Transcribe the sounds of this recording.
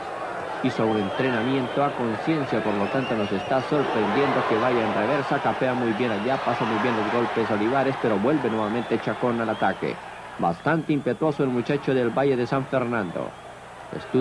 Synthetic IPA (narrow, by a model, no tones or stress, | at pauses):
isoune̞nt̪ɾe̞namje̞nt̪o̞ako̞nsje̞nsjapo̞ɾlo̞t̪ant̪o̞no̞se̞st̪aso̞ɾpɾe̞nd̪jend̪o̞ke̞βaʝaenreβe̞ɾsakape̞amujβje̞naʎapasamujβje̞nlo̞zɣo̞lpeso̞liβaɾe̞speɾo̞βwe̞lβe̞nwe̞βamẽnt̪et͡ʃako̞nalat̪akḛ | ba̰st̪ant̪e̞impe̞t̪wo̞soelmut͡ʃat͡ʃo̞ðelβaʝe̞ðe̞saɱfe̞ɾnãnd̪o̰ | ḛst̪u